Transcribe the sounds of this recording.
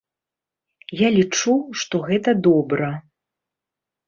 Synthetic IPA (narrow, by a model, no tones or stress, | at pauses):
jalʲit͡ʂuʂt̪ɔɣɛt̪ɐd̪ɔbɾɐ